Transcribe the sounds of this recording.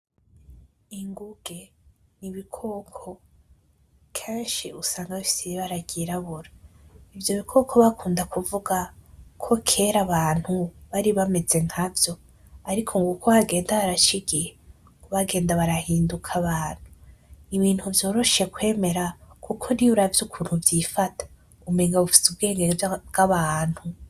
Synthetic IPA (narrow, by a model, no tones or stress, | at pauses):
iŋɡuɡ̥e̞niβikʰoːkʰo̞ | kʰe̞ːnʃiusaːŋɡaβifi̥sijiβaɾaɡ̥iɾaβuɾaivjo̞βikʰoːkʰo̞βakʰuːndakuvuɡakʰo̞kʰe̞ːɾaβaːn̥huβaɾiβame̞ze̞ŋhavjo̞ | aɾikʰoŋɡukʰoβaɡe̞ːndaβaɾat͡ʃiɡihe | kuβaɡe̞ːndaβaɾahiːndukʰaβaːn̥huiβiːn̥huvjo̞ːɾo̞ʃe̞kwe̞ːme̞ɾakʰukʰo̞niuɾavjukʰuːn̥huvjifatʰḁ | umeŋɡaβufi̥sub̚ɡe̞ːŋɡebɡ̥aβaːn̥hu